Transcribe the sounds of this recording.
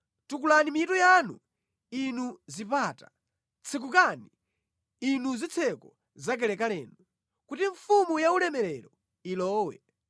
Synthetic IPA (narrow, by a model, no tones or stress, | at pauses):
tukulanimiitujanṵ | inuzipaːtḁ | t͡sʰik̬ukani | inuzit͡sʰɛkɔ | zak̬ɛlɛkalɛːnu | kutiɱfumujaulɛmɛlɛɾɔ | ilɔːwɛ̰